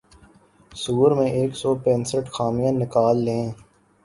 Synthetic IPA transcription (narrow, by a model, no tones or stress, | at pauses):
suːɾmẽʔeːksɔːpɛ̃ːnsəʈxaːmijãnɪkaːlːẽː